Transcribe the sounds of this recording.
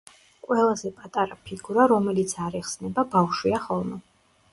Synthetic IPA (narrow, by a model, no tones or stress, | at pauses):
kʼwɛlˠazɛpʼat̪ʼaɾapʰiɡuɾaɾɔmɛlit̪sʰaɾɛχsnɛbabafʃwiaχɔlˠmɛ